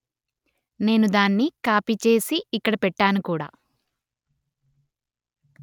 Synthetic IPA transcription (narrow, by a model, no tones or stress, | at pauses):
ne̞ːnud̪aːnːikaːpiːt͡ʃe̞ːsiːkːɐɽɐpɛʈːaːnukuːɽa̰ː